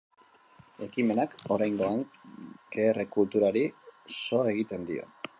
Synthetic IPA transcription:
e̞kime̞nako̞ɾajŋɡo̞aŋkeːrekult̪uɾaɾiso̞e̞ɣ̞it̪e̞nd̪io̞̰

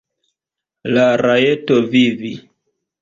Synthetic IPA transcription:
laɾajetovivi

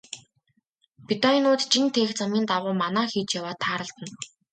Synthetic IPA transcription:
pit̪aninʊːt̪t͡ɕint̪ʰeːxt͡samʲiːnt̪aʁʊːmanæːxiːt͡ɕjawaːt̪ʰːaːɾə̆ɬt̪ə̆n

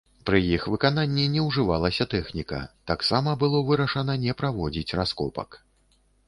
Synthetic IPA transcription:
pɾɨjixvɨkananʲːinʲɛwʐɨvalˠɐsʲɐt̪ɛxnʲikɐ̰t̪aksamɐbɨlˠɔvɨɾɐʂɐnɐnʲɛpɾavɔd͡zʲit͡sʲraskɔpɐ̰k

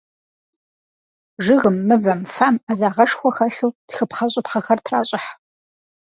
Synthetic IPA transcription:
ʒɨɣɨmːɨvɐmfaːmazaːʁɐʂxʷɔxɐɬuːtxɨpχɐɕʼɪpχɐxɐrtʰraːɕʼɪħ

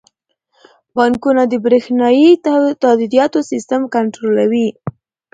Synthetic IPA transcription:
bɑŋkunad̪əbɾexnɑjit̪ɑd̪id̪ijɑt̪osist̪amkaɳʈɾolawi

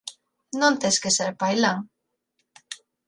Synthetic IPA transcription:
nõnt̪eskeseɾpajlaŋ

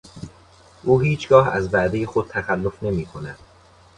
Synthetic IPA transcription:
ʔuːɦiːt͡ʃʰɡɒːhæzbæd̪eje̞xod̪̚t̪ʰæxælːo̞fne̞miːkʰo̞næd̪̥

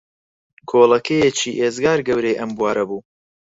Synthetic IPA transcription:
kʰoːlˠɐkʰejet͡ʃiːʔeːzɡaːɾɡɐwɾejʔɐmbuwaːɾɐbuː

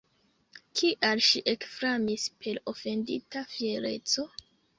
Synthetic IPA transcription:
kʰiʔalʃiʔe̞kfɾamispʰe̞lo̞fe̞ndḭtafieɾe̞̰t͡so̞

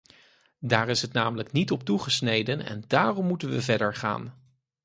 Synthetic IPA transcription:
daːrɪsɦətnaːmələknitɔp̚tuχəsnejdənɛ̰ndaːrɔmːutənʋəvɛɹdəɹχa̰ːn

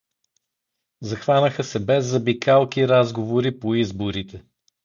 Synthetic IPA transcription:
zɐxvanəxəsɛbɛzːɐbikalˠkiɾazɡovoɾipoizboɾit̪ʰɛ

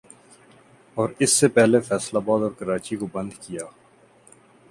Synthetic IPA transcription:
ɔːɾɪsːepɛɦlefɛːslabaːd̪ɔːɾkɐɾaːt͡ʃikobɐ̃nd̪kijaː

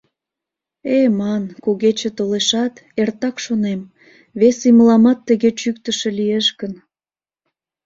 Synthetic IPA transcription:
emɑnkuɣet͡ɕət̪oleʃɑt̪ert̪ɑkʃonem | βesiməlɑmɑt̪ːəɣet͡ɕyk̚t̪əʃĕlieʃkən

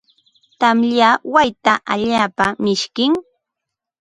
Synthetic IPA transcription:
t̪amʎawajt̪aʔaʎaːpamɪʃkɪŋ

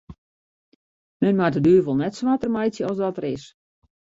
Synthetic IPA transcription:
mɛnmadədyəʋɔlˠnɛtsʋatərmajsjəɔsdɔtərɪs

